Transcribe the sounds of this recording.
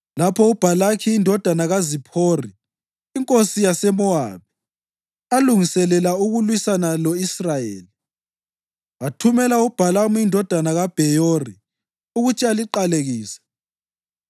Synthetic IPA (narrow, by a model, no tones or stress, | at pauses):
lapʰɔub̥ʱalakʰiːndʱɔd̥ʱanaɣazipʰoriː | ŋkʼosijasɛmɔa̰βɛ | aluŋisɛlɛlauɣulwisanalɔisrajḛːli | atʰumɛlaub̥ʱalamuindʱɔd̥ʱanaɣab̥ʱɛjori | uɣut͡ʃʰialiǃaleɣiːsɛ̥